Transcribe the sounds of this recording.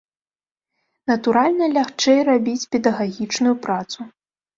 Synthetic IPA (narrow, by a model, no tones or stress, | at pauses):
nɐt̪uɾalʲnɐlʲaxt͡ʂɛjrabʲit͡sʲpʲɛd̪ɐɣaɣʲit͡ʂnujupɾat̪su